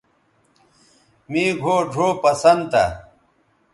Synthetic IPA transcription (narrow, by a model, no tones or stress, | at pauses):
miːɡʱoːɖʱoːpɐsɐnd̪t̪a̰